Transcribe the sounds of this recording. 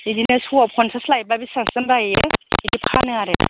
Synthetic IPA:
idinɯsuap̚kʰɔnsʰaslajbabisaŋsɯmɾajeidipkʰanɯŋaɾe

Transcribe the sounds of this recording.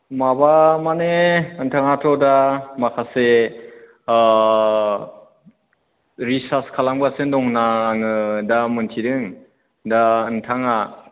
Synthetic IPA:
mabamaneɯntʰaŋatʰɔdamakʰase | ɾisaskʰalaŋbasɯndɔŋnaːŋɯdamɯntʰidɯŋ | daɯntʰaŋa

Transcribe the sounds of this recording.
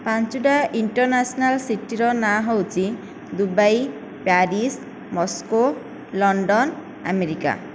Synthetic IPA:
pant͡ʃuɖaiɳʈɔɾnasɔnalsiʈiɾɔnaɦɔwt͡ʃʰi | d̪ubaj | paɾis | mɔsko | lɔɳɖɔn | a̰meɾika̰

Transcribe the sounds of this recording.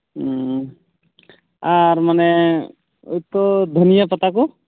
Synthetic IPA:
aɾmanɛ | o̰jt̪ɔd̪ʱənijəpɔt̪ak̬u

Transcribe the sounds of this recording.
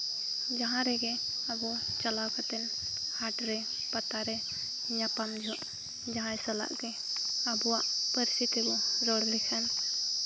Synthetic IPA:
d͡ʒaɦãɾɛɡɛabɔt͡ʃalawkat̪ɛn | haʈɾɛ | pat̪aɾɛ | ɲapamd͡ʒʱɔʔ | d͡ʒaɦãjsala̰ʔkɛ | abuwaʔpəɾisit̪ibɔɾɔɽlikʰan

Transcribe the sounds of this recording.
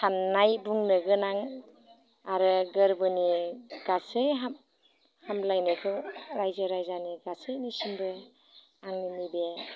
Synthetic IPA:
sʰanːajbuŋnɯɡɯnaŋ | aɾɯɡɯɾbɯniɡ̥asɯjɦam | hamlajnɯkʰɯwɾajzɯɾajzaniɡasɯjnisimbɯ | aŋninibe

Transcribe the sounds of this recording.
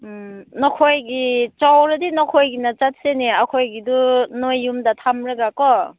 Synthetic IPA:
nɔkʰojɡit͡ʃawɾɯdinɔkʰojɡinat͡ʃat̚seneakʰojɡidunojːumdatʰamɾɯɡakɔ

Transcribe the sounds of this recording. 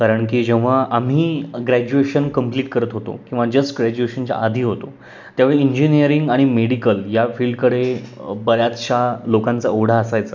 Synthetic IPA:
kaɾəɳkiːd͡ʑeʋ̤̃aʔam̤iːɡɾæd͡ʑueɕənkəmpliːʈkəɾət̪ɦot̪o̰kĩw̃ʋad͡ʑəsʈɡɾæd͡ʑueɕənt͡ɕa̰ʔad̪ʱiːɦot̪o | t̪jaʋeɭeiɲd͡ʑinijəɾiŋɡaɽ̃imeɽikəljafiːlɖkəɽebəɾjat̪ɕalokãnt͡saoɽ̤aːsajt͡sə

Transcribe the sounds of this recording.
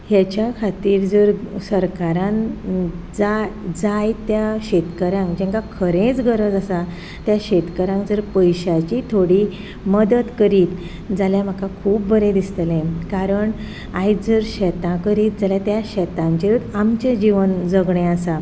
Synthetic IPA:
hat͡ɕjakʰat̪iːɾd͡zəɾsəɾkaɾãn | d͡zad͡zajt̪jaɕɛt̪kəɾãŋkd͡ʑɛ̃ŋkakʰəɾẽt͡sɡʱəɾəd͡zasa | t̪jaɕɛt̪kəɾãŋkd͡zəɾpəjɕat͡ɕit̪ʰoɽi | məd̪ət̪kəɾiːt̪ | d͡zaljam̤əkakʰuːp̚bəɾẽd̪ist̪əlẽkaɾəɳ | ajd͡zəɾɕɛt̪ãkəɾiːt̪̚d͡zaljat̪jaɕɛt̪ãɲt͡ɕeɾut̪amt͡ɕed͡ʑiʋənd͡zəɡɳẽasa

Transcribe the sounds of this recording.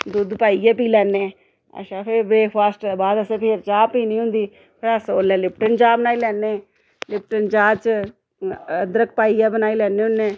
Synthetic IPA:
d̪ʊd̪paːijaːp̬iːlɛːnːeː | ə̰ʃaːpʰɪɾbɾeːkʰpaːsʈːbaːd̪əsẽːpʰeːɾt͡ʃaːpiːnĩːɦʊ̃nd̪iː | pʰɪɾəsoːlɛ̃ːlɪp̚ʈənt͡ʃaːbənaːilɛːnːeː | lɪp̚ʈənt͡ʃaːt͡ʃ | əd̪ɾək̚paːijaːbənaːiːlɛːnẽːɦʊnːeː

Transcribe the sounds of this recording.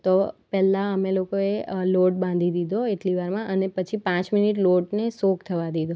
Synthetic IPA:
t̪opɛlãəmelokoeloʈ̚bãnd̪ʱid̪id̪oeʈliʋaɾmãʔənepət͡ʃʰipãt͡ʃminiʈ̬loʈnesokt̪ʰəʋad̪id̪o

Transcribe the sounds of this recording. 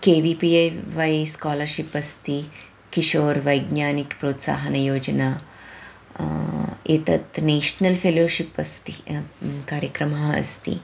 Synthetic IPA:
keʋipiʋajskɔləɾɕipɐst̪i | kiɕoːɾʋəjɡnjanikpɾot̪sa̰ɦənɐjoːd͡ʑna | et̪ə̰t̪neɕnəlfeloɕipɐst̪ikaɾjəkɾəmɦãə̰st̪ḭ

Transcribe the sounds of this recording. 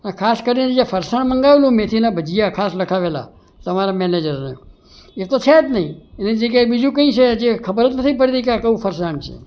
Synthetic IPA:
əkʰaskəɾined͡ʒafəɾsaɳməŋɡaʋelũmet̪ʰinabʱəd͡ʒijakʰasləkʰaʋela̰ | t̪əmaɾamɛned͡ʒəɾnəjo̰ | et̪ot͡ʃʰɛt̪nəɦĩened͡ʒekabid͡ʒũkə̃ĩt͡ʃʰed͡ʒekʰəbəɾət̪nət̪ʰipəɽt̪ikeakəũfʰəɾsaɳt͡ʃʰḛ

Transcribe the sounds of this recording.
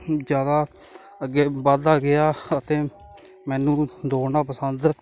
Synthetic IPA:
d͡ʒjaːd̪aː | əɡeːbəd̪aːɡɪaːət̪eː | mɛːnũːd̪oːnãːpəsənd̪

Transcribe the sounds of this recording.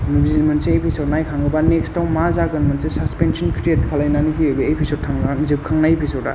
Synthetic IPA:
muɡzimɯnseːpʰisoɾnajkʰaŋɡɯbanekstawnmazaɡɯnmɯnsesɐspensɔnkʰɾetkʰalajnanikʰiɯbeepʰisotʰːaŋnzɯp̚kʰaŋnajepʰisoda̰

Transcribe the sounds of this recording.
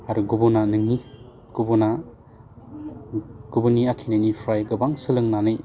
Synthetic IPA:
aɾuɡubunanɯŋi | ɡ̥ubuna | ɡ̥ubuniakʰinajnipʰɾajɡɯbaŋsɯlɯŋnanɯj

